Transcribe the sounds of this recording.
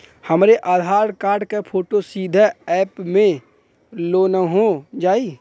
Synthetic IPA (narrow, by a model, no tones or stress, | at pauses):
həmɾeʔaːd̪ʱaːɾkaːɾɖkapʰoːʈosiːd̪ʱəɛːpmẽ | loːnəɦod͡ʒaːiː